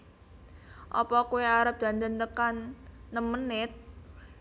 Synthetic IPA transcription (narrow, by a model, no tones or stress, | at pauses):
ʔɔ̰pɔkuweaɾəp̚d̪̥a̤nd̪ənt̪əkanːəmənɪt̪̚